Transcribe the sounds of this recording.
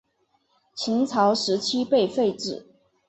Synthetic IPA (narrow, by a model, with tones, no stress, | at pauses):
t͡ɕʰi˧˥ŋt͡sʰɑ˧˥ʊʂɻ̩˧˥t͡ɕʰi˥pe˥˧ɪfe˥˧ɪʈ͡ʂɻ̩˥˩